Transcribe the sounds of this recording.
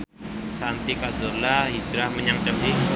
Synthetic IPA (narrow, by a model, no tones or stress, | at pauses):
sant̪ikazʊrlaɦid͡ʒɾahməɲaŋt͡ʃapɪ